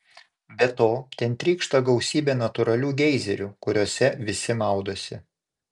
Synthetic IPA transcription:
bʲɛt̪oːt̪ʲɛnt̪ʲɾʲiːkʃt̪ɐɡɐʊsʲiːbʲeːnɐt̪ʊɾɐlʲuːɡʲɛɪzʲɛɾʲukʊɾʲoːsʲɛʋʲɪsʲɪmɑˑʊd̪oːsʲɪ

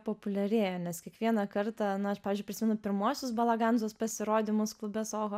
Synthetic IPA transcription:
poːpʊlʲɛɾʲeːjɛnʲɛskʲiɛkʋʲiɛnɐkɐrt̪ɑnʊɐʃpɑːʋʲɪzʲd͡ʒʲʊɪpʲɾʲɪsʲɪmʲɛnʊpʲɪɾmuɔsʲʊs̬bɐlˠɐɡɑnzoːspɐsʲɪɾoːd̪ʲɪmʊsklˠʊbʲesoːɣo

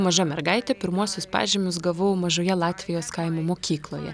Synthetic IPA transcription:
mɐʒɐmʲɛɾɡɐɪt̪ʲɛpʲɪɾmuɔsʲʊspɑ̰ːʒʲeːmʲʊs̬ɡɐʋɐʊmɐʒoːjɛlˠɑːt̪ʲʋʲɪjoːskɐɪmoːmoːkʲiːklˠo̰ːjɛ̰

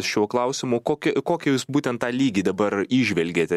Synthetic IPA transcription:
sʃʲuɔklˠɐʊsʲɪmʊkoːkʲɛkoːkʲɛjuːsbuːt̪ʲɛnt̪t̪ɑːlʲiːɡʲid̪ɐbɐɾiːʒʲʋʲɛlʲɡʲeːt̪ʲɛ

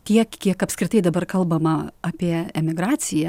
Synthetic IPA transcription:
t̪ʲiɛkkʲiɛkɐpskɾʲɪt̪ɐɪd̪ɐbɐrkɐlˠbɐmɐɑpʲiɛɛmʲɪɡɾɑːt͡s̪ʲɪjɛ

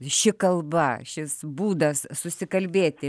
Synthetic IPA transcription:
ʃʲɪkɐlˠbɐʃʲɪsbuːd̪ɐssʊsʲɪkɐlʲbʲeːt̪ʲɪ

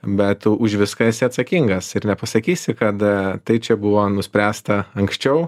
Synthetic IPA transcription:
bʲɛt̪ʊʃʋʲɪskɐɪsʲɪɐt̪sɐkʲiŋɡɐsɪɾnʲɛpɐsɐkʲiːsʲɪkɐt̪t̪ɐɪt͡ʃʲɛbʊʋoːnʊsʲpʲɾʲæːst̪ɐɐŋksʲt͡ʃʲɛʊ

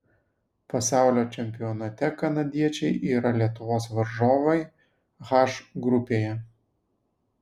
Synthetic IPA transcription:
pɐsɑˑʊlʲoːt͡ʃʲɛmʲpʲɪɔnɐt̪ʲɛkɐnɐd̪ʲiɛt͡ʃʲɛɪʔiːɾɐlʲiɛt̪ʊʋoːsʋɐɾʒoːʋɐɪ | ɣɑʃɡɾʊpʲeːjɛ

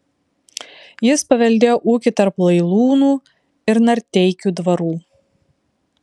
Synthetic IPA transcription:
jɪspɐʋʲɛlʲd̪ʲeːjoːʔuːkʲɪt̪ɐɾplˠɐɪlˠuːnuː | ɪɾnɐɾʲt̪ʲɛɪkʲuːd̪ʋɐɾuː

